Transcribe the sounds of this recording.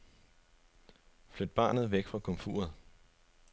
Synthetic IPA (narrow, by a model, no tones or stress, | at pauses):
flød̥̚b̥ɑ̰̈ːnð̩ˠʋeɡ̥fʁɑ̈kʰɔ̽mfṵːɐð̩ˠ